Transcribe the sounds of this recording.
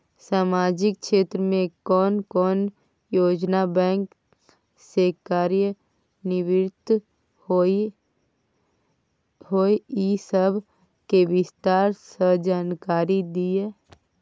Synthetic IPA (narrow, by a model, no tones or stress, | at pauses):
saːmaːd͡ʒɪk̚ʃeːt̪ɾəmẽkɔːnkɔːn | joːd͡ʒnabɛ̃ːŋk | sekaːɾjə | nɪʋɪɾt̪ | ɦoːeisəbʱ | keʋɪst̪aːɾsəd͡ʒaːnkaːɾid̪ie